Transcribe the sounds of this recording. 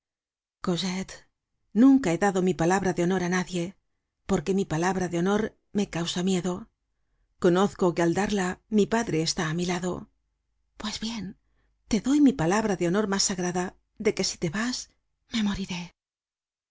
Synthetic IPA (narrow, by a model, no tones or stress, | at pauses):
ko̞set̪ | nũŋkae̞ðaðo̞mipalaβɾaðeo̞no̞ɾanaðje̞ | po̞ɾke̞mipalaβɾaðeo̞no̞ɾ | me̞kawsamje̞ðo̞ | ko̞no̞θko̞keald̪aɾlamipaðɾe̞ːst̪aːmilaðo̞̰ | pwe̞zβje̞n | t̪e̞ðo̞jmipalaβɾaðeo̞no̞ɾmasaɣɾaða | ðe̞ke̞si̥t̪e̞βas | me̞mo̞ɾiɾe̞